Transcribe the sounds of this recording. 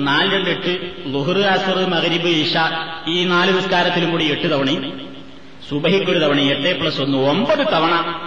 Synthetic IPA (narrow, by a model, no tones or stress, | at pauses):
naːlɾeɳɖeʈːɨluɦurɨaːsɐrɨmɐɣɐɾibɨiʂaiːnaːlɨðɐskaːɾɐt̪ːilumkuːɽieʈːɨt̪ɐʋɐɳi | subɐɦikʲːoɾut̪ɐʋɐɳieʈːepːɐɭɐsonːuombɐðɨt̪ɐʋɐɳɐ